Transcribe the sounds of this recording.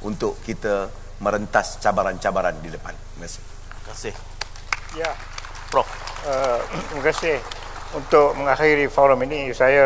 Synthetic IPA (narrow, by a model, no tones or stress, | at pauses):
unt̪ʊʔkit̪ə | mə̃ɾənt̪ast͡ʃabaɾant͡ʃabaɾandidəpaniməkasɪ̥ | kasɪh | ja | pɾɔfət̪ɾiməkasɪh | unt̪ʊk̚məŋaxiɾifɔɾəminisaja